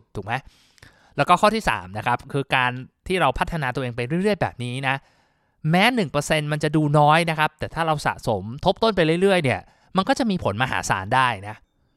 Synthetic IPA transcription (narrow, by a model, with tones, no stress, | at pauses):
t̪ʰuː˨˩k̚ma˦˥j | lɛ˦˥wkɔː˥˩kʰɔ˥˩iː˥˩sa̰ː˩˦mna˦˥kʰa˦˥p̚kʰɯː˧kaː˧nt̪ʰiː˥˩ɾa˧wpʰa˦˥t̪ʰːa˧naː˧t̪u˧ʔeː˧ŋpa˧jɾɯ˥˩əjɾɯ˥˩əjbɛ̰ː˨˩p̚niː˦˥na˦˥ | mɛː˦˥nɯ˨˩ŋpɤː˧se˧nma˧nt͡ɕa˨˩ʔduː˧nɔː˦˥jna˦˥kʰa˦˥p̚t̪ɛː˨˩t̪ʰaː˥˩ɾa˧wsa̰˨˩so˩˦mt̪ʰo˦˥p̚t̪o˥˩np̬a˧jɾɾɯ˥˩əjni˥˩ə | ma˧nkɔː˥˩t͡ɕa˨˩ʔmiː˧pʰo˨˩˦nmaː˧ɦa̰ː˩˦sa̰ː˩˦ndaː˥˩jna˦˥ʔ